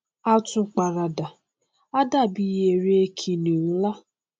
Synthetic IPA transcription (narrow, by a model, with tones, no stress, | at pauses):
a˦tʊ˦k͡pa˨ɾa˨da˨ | a˦da˦˨bi˦je˨ɾe˦e˦kʰi˨ni˨n̩˦la˦